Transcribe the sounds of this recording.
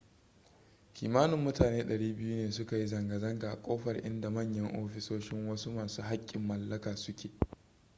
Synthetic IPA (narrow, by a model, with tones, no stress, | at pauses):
kʲʰiː˨maː˦nʊ˨mːʊ˦taː˨neː˦ɗɐ˨ɽiː˦bɪ˦ju˦neː˨sʊ˦ka˨ji˦zɐ˨ŋɡɐ˨zɐ˦ŋɡaː˨ʔkʷʼoː˦ɸɐ˨rʔɪ̰˦nda˨mɐ˦˨ɲjɐ˦ŋʔoː˦ɸɪ˨soː˦ʃɪ˦ŋwɐ˦suː˦maː˨suː˦ɦa˦kʲʼːɪ˨mːɐ˨lːɐ˦kaː˨sʊ˦kʲʰeː˨